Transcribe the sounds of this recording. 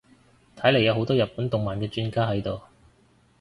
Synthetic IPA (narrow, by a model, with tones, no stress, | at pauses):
t̪ʰɐ˨˥jle˨˩jɐ˨˧wɦo˨˧wt̪ɔː˥jɐ˨t̚pːuː˨˥nt̪ʊ˨ŋmaː˨nkɛː˧t͡ʃyː˥nkaː˥ɦɐ˨˥jt̪o˨w